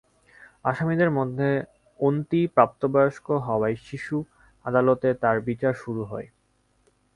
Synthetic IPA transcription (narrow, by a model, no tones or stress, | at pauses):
aʃamid̪eɾmod̪ʱːe | ont̪ipɾap̚t̪obaoʃkoɦɔoajʃiʃu | ad̪alot̪et̪aɾbit͡ɕaɾʃuɾuɦɔe